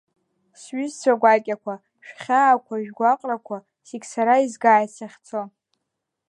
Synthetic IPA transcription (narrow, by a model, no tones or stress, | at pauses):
sɥʏzt͡sʷaɡʷakʲʼakʷʰa | ʃᶣχʲaːkʷʰaʒᶣɡʷaqʼrakʷʰa | seɡʲsaɾaizɡaːjsaχʲt͡sʰo